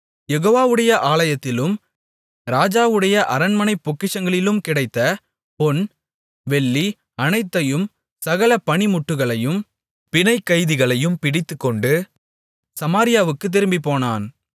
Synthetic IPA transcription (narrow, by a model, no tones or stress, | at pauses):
jɛɣoːʋaːʋɯɽɐjɐʔaːlɐjɐt̪ːɪlɯm | ɾaːd͡ʒaːʋɯɽɐjɐʔɐɾɐnmɐnɐɪpːɔkːɪʂɐŋɡɐɭɪlɯmkɪɽɐɪt̪ːɐ | pɔn | ʋɛɭːi | ɐnɐɪt̪ːɐjɯm | sɐɣɐlɐpɐɳimʊʈːɯɣɐɭɐjɯm | pɪnɐɪkːɐɪðɪɣɐɭɐjɯmpɪɽɪt̪ːɯkːɔɳɖɯ | sɐmaːɾɪjaːʋɯkːɯt̪̬ːɪɾɯmbipoːnaːn